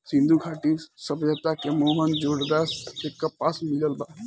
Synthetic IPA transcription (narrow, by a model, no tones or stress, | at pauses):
sĩnd̪uɡʰʱaʈisəbjət̪akemoɦənd͡ʒoɽd̪asekːəpasmiləlba